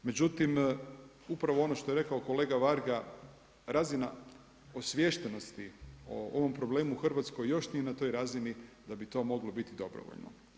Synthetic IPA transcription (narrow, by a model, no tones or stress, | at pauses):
me̞d͡ʑut̪im | upɾaʋo̞o̞no̞ʃt̪o̞jeɾe̞kao̞ko̞le̞ːɡaʋaɾɡa | ɾazina | osʋje̞ʃt̪eno̞st̪iooʋo̞mpɾo̞ble̞ːmuxr̩ʋat̪sko̞jːo̞ʃnijenat̪o̞jɾazinid̪abit̪o̞mo̞ɡlo̞bit̪id̪o̞bɾo̰ʋo̰ʎno̰